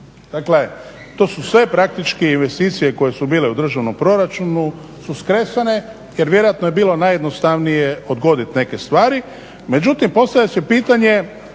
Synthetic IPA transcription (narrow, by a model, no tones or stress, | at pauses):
d̪̥akle̞ | t̪o̞ːsusʋe̞pɾak̚t̪it͡ʃkiinʋe̞st̪iːt̪sije̞ko̞je̞subiːle̞ud̪r̩ʒaʋno̞mpɾo̞ɾat͡ʃunu | suskɾesane̞ | je̞ɾʋje̞ɾojat̪noje̞biːlo̞naje̞d̪no̞st̪aʋnijeo̞d̪ɡo̞d̪it̪ne̞ke̞st̪ʋaːɾi | me̞d͡ʒut̪impo̞st̪aʋʎʲasepiːt̪aɲe̞